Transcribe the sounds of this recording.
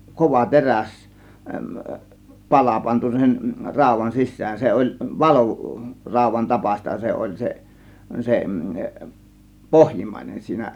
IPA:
koʋɑ teræs pɑlɑ pɑntu sen rɑˑo̝ʋˑɑn sisːæːn se olʲ ʋɑlu rɑˑo̝ʋˑɑn tɑpɑsʲtɑ se olʲ se se pohjimːɑˑinen siːnæ

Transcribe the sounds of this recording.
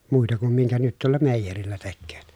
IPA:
muitɑ kum miŋkæ nyt tuolːɑ meˑijerilːæ tekːøːt

